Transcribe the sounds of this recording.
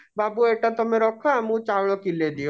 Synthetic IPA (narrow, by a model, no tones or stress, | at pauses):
babueʈat̪ɔmeɾɔkʰamũt͡ʃawɭ̃ɔkiled̪ijo